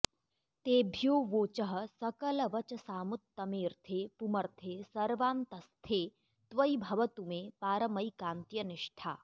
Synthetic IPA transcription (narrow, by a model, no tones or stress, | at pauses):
t̪eːbʱjoːʋoːt͡ʃɐɦɐ̆sɐkɐlɐʋɐt͡ʃɐsaːmʊt̪ːɐmeːɾt̪ʰeːpumɐɾt̪ʰeːsɐɾʋaːnt̪ɐst̪ʰeː | t̪ʋɐibʱɐʋɐt̪umẽːpaːɾɐmɐikãːnt̪jɐnɪʃʈʰa̰ː